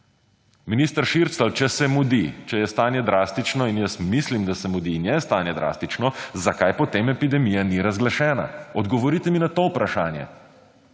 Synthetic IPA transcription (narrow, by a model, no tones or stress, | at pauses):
minist̪əɾʃiɾt̪slawt͡ʃɛsɛmud̪it͡ʃɛjɛst̪aːnjɛd̪ɾast̪it͡ʃnɔinjəsmislimd̪asɛmud̪injɛst̪aːnjɛd̪ɾa̰ːst̪it͡ʃnɔzakajpɔt̪emɛpid̪ɛmijaniɾazɡlaʃɛːna̰ɔd̪ɡɔʋɔɾit̪ɛminat̪oːpɾaʃaːnjɛ̰